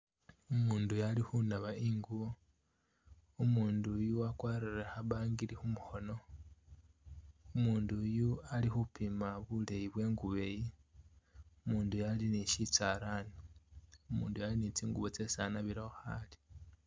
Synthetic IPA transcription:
umuːndujalixunaβaiŋɡuβo | umuːndujuwakwaːɾiɾexaβaːŋɡiɾixumuxo̞no̞ | umuːndujualixupimaβule̞jiβwe̞ːŋɡuβe̞ji | umuːndujaliniʃit͡saːɾaniumṵːndujalinit͡siːŋɡuβot͡se̞sanaβiɾaoxali̥

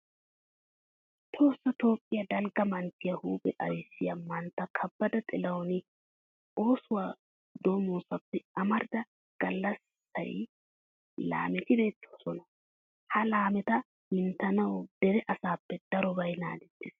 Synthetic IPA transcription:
t̪ʰo̞ːsːɐt̪o̞ːpʼːɪjɐd̪ɐlɡɐmɐnt̪ɪjɐhuːbɛʔɐjsːɪjɐmɐnt̪ːɐkʰɐbːɐd̪ɐt̪ʼɛlɐwnɪ | o̞ːsʊwaː | d̪o̞ːmoːsɐpːɛɐmɐɾd̪ɐ | ɡ̥ɐlːɐsː | ɐ̰j | la̰ːmɛt̪ɪd̪ɛt̪ʰːo̥sɔnɐ | hɐlaːmɛt̪ɐ | mɪnt̪ɐnɐwd̪̥ɛɾɛʔɐsaːpːɛd̪̥ɐɾɔbɐjna̰ːd̪ɛt̪ːɪs

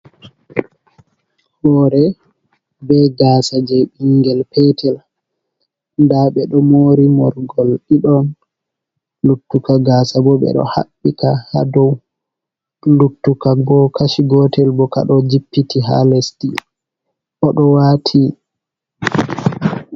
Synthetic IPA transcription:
hɔːɾɛ | bɛɡaːsad͡ʒɛɓiŋɡɛlpɛtʰɛl | ndaɓɛɗɔmoːɾimɔɾɡɔlɗiɗɔn | lutːukaɡaːsabɔɓɛ̰ɗɔ̰ha̰ɓːikaha̰dɔw | lutːukabɔkʰaʃiɡɔtʰɛlbɔka̰ɗɔd͡ʒipːitiɦa̰lɛsti | ʔɔɗɔwaːtʰi

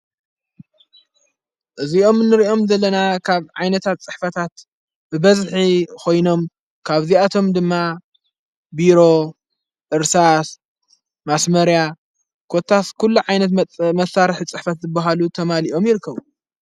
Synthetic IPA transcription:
ʔɨziʔo̞mnːɨɾiʔo̞mzɐlːɐnakʰaβʕajnɐt̪ʰat̪̚t͡sʼɨħfɐt̪ʰat̪ | bɨbɐzħikʰo̞jno̞m | kʰaβziat̪ʰo̞md̪ɨmːa | biɾo̞ | ʔɨɾsas | masmɐɾja | kʰot̪ʰːaskʰulːuʕajnɐt̪̬mɐsːaɾħit͡sʼɨħfɐt̪zɨbaɦalut̪ʰɐmaliʔo̞mjɪɾɨkːɐβu

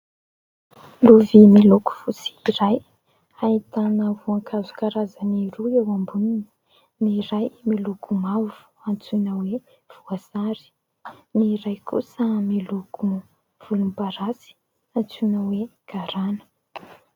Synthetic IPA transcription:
luvimiluku̥fusi̥iɾaj | ait̪anəvuaŋkʰazu̥kaɾazaniɾuewambunini | niɾajmilukʰumavu̥ | ant͡sunəwe | v̥uaz̥aɾi̥ | niɾajkṵsəmiluku | v̥ulumbaɾasi̥ | ant͡sunəweɡ̥aɾanə̥

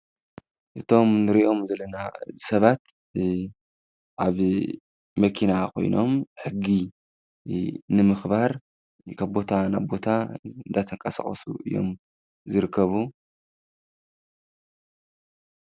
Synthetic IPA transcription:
ʔɨt̪ʰo̞mnɨɾiʔo̞mzɐlːɐnazɨsɐβat̪ | ʔaβ | mɐkʰinakʰo̞̰jno̞̰mħɨɡːi | nɨmɨxβaɾ | kʰaβbo̞t̪ʰanaβbo̞t̪ʰaɨnd̪at̪ʰɐŋkʼɐsɐ̰χʼɐ̰sṵʔɨ̰jːo̞̰m | zɨɾɨkʰːɐβu

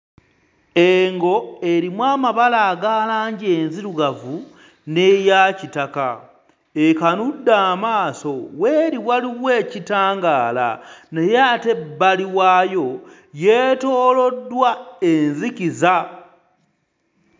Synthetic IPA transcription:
eŋɡo̞eɾimwaːmaβalaːɡalaːɲɟe̞ːnziɾuɡavu | ne̞jaːcitaka | ekanudːaːmaːso̞weːɾiwaliβwe̞ːcitaːŋɡaːla̰nejaːte̞bːaliwaːjo̞ | je̞ːto̞ːlo̞dːwaenziciza

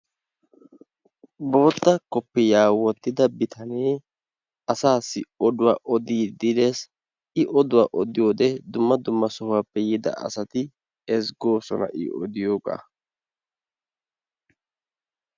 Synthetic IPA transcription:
bo̞ːt̪ːɐkɔpːɛjaːwɔt̪ːɪd̪ɐbɪt̪ʰɐneː | ɐsaːsːɪɔd̪ʊwa̰ːʔɔd̪iːd̪ɪd̪es | ɪʔɔd̪ʊwa̰ːʔɔd̪ɪjo̞ːd̪ɛd̪ʊmːɐd̪ʊmːɐsɔhʊapːɛjɪd̪ɐ̰ʔɐ̰sɐt̪ɪ | ɛsɡo̞ːsɔ̰nɐ̰ʔɪ̰ʔɔ̰d̪ɪjo̞ːɡa̰ː

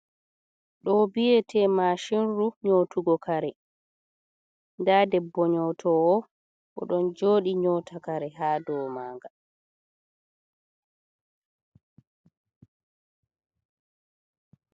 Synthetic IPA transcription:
ɗɔbijɛtʰɛːmaʃinɾuɲoːtuɡɔkʰaɾɛ | ndaːdɛbːɔɲɔːtʰɔɔ | ʔɔ̰ɗɔnd͡ʒoːɗiɲɔtʰakaɾɛɦaːdɔːmaːŋɡa

